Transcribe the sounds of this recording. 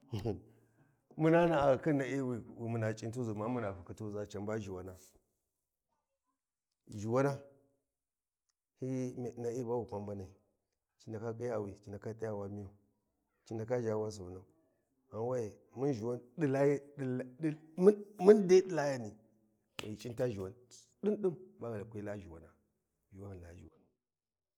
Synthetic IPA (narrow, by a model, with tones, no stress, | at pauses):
mu˦na˦na˨a˨ki˦na˨i˦wi˨wi˨mu˨na˨t͡ʃʼi˦nt̬u˦zu˨ma˦mu˦na˨fu˨ki˦tu˦za˨t͡ʃa˨mba˦ʒi˨wa˨na˦ | ʒi˨wa˦na˦ | hi˦˨na˨i˦ba˦wi˨kʷa˨mba˦na˨i˨ | t͡ʃi˨nda˨ka˦kʼi˦ja˦˨wi˨t͡ʃi˨n˨a˨ka˦tʼi˦ja˦wa˦mi˦u˨ | t͡ʃi˦nda˨ka˦ʒa˨wa˦s̬u˨wu˨na˨u˨ | a˨wa˦i˨mu˦nʒi˨wa˦ndi˦la˦˨˦m˦nde˦di˦la˦ja˦ni˨ | a̰˨ji˨t͡ʃʼi˦n˦ta˦ʒi˨wa˨n | di˦nɗi˦mba˦ɡa˨la˨kʷe˦la˦ʒi˨wa̰˨na˨ | ʒi˨wa˦˨a˨˦ʒḭ˨wa̰˨n˨